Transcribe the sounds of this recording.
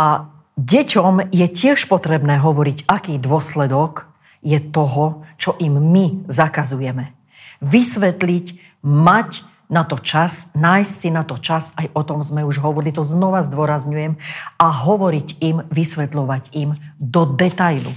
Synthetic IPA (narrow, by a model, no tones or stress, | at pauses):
a | ɟɛcɔmjɛcɪɛʃpɔt̪ɾɛbnɛːɦɔʋɔɾicakiːd̪ʊɔslɛd̪ɔk | jɛt̪ɔɦɔt͡ʃɔʔimːizakazujɛmɛ | ʋisʋɛt̪lic | mac | nat̪ɔt͡ʃasnaːjssinat̪ɔt͡ʃasajʔɔt̪ɔmzmɛuʒɦɔʋɔɾilit̪ɔznɔʋazd̪ʊɔɾazɲujɛmaɦɔʋɔɾicimʋisʋɛt̪lɔʋaɟimd̪ɔd̪ɛt̪ajlṵ